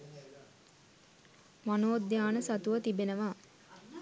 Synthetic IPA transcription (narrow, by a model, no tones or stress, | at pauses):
ʋanoːd̪jaːnəsat̪uʋət̪ibenəʋaː